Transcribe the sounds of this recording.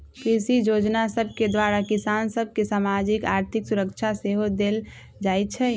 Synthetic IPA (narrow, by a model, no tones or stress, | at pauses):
kɾisijod͡ʒnasəb̚ʱked̪waɾakisansəb̚ʱkesamad͡ʒikaːɾt̪ʰɪksuɾəkt͡ʃʰaseɦod̪el | d͡ʒajt͡ʃʰɛ